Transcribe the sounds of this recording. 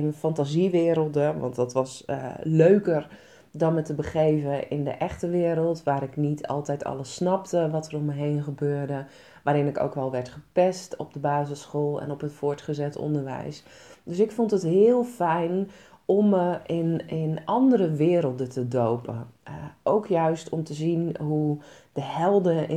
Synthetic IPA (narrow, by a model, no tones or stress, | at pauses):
ɪnənfɑntaziʋɪːɾəlˠdəʋɑ̰ntdɑtʋɑsløɥkər | dɔnmətəbəχejvəʔɪ̰ndə̰ʔɛχtəʋɪːɾəlˠtʋaːɾɪknitʰɑ̰lˠtɛjtʰɑ̰lˠəsnɑp̚təʋɑtərɔməɦejnχəbøːɹdə | ʋaːɾɪnɪko̰wkʋɛlˠʋɛɹtχəpɛstɔp̚dəbaːzəsχoːlˠɛ̰nɔpətfʊːɹtχəzɛtɔ̰ndəɹʋɛ̰js | døsɪkfɔntətɦɪːəlˠfɛjnɔməɪnɪnʔɑndəɾəʋɪːɾəlˠdətədowpə̰ʔowkʰjœɥstʰɔmtəzinɦud̥əhɛlˠdə